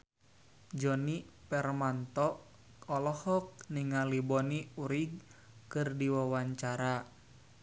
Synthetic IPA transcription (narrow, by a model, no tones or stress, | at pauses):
d͡ʒɔnipɛrmant̪ɔʔ | ɔlɔhɔk̚niŋalibɔniuɾiɡ̚ | kɨrdiwawaɲt͡ʃaɾa